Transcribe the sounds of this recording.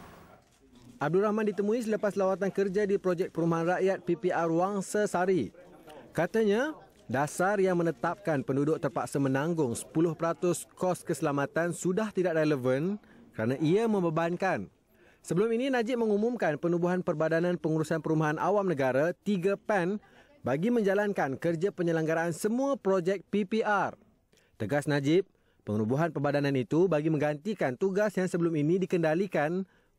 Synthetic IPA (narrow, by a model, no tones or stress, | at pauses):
ʔab̚duɾahmãndit̪əmũis̬ələpaslawat̪̬ankərd͡ʒadipɾod͡ʒɛk̚pəɾumaɦanraʔjat̪̚pipiʔarwaŋsasaɾi | kat̪aɲa | dasarjaŋmə̃nət̪ap̚kanpəndudʊk̚t̪ərpaksamə̃nãŋɡʊŋsə̥pulʊhpəɾat̪ʊskɔskəsəlamat̪ansudaht̪idaʔrɛləvənkəɾanãʔiamə̃mbəbankan | səbəlʊmininãd͡ʒɪp̚mə̃ŋumumkanpənubuɦanpərbadanãnpəŋuɾusanpəɾumaɦanʔa̰wamnə̃ɡaɾat̪iɡapɛn | baɡimə̃ɲd͡ʒalankankərd͡ʒapəɲəlaŋɡaɾaːnsəmũapɾod͡ʒɛk̚pipiʔar | t̪əɡasnãd͡ʒɪp̚ː | əŋnubuɦanpərbadanãnit̪ubaɡimə̃ŋɡant̪ikant̪uɡasjaŋsəbəlʊminĩdikəndalikan